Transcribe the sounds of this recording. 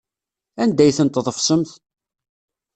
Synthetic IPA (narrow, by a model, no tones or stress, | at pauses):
ænd̪æjθənt̪ðˤəfsəmθ